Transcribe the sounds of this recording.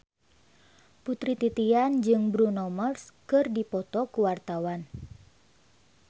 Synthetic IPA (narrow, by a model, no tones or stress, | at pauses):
put̪ɾit̪it̪iand͡ʒɨŋbɾunɔmərskɨrdipɔt̪ɔkuwart̪awan